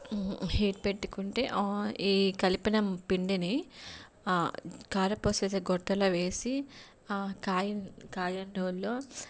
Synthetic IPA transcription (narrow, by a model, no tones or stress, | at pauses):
hiːʈ̚pe̞ʈːukuɳʈḛːʔiːkɐlipinɐmpiɳɖini | kaːɾɐpoːset̪ɐɡɔʈːɐlɐʋe̞ːsi | kaːjkaːjɐnɖoːlːoː